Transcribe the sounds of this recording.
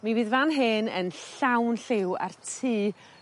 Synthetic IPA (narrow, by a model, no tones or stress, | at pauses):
miviːðvanɦɨnənɬawnɬɪwa̰rtʰiː